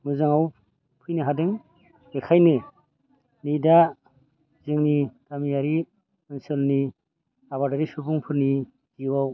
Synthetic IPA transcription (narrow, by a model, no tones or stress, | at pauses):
mɯzɯŋaw | pʰɯjniɦadɯŋ | ekʰajnɯ | nida | zɯŋnitamijaɾi | ɯnsɯlni | aβadaɾisubuŋpʰɯɾni | ziwaw